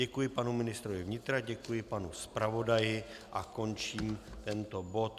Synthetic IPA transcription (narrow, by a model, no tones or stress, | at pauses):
ɛkujɪpanumɪnɪst̪ɾovɪvɲɪt̪ɾaɟɛkujɪpanuspɾavo̞dajɪʔako̞nt͡ʃiːmt̪ɛnt̪o̞bo̞t̪